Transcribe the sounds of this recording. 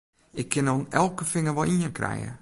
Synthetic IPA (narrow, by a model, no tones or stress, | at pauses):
ɪkʰːɪnɔnɛlˠkəfɪŋəʋɔlˠinənkʰrɛ̰jə̰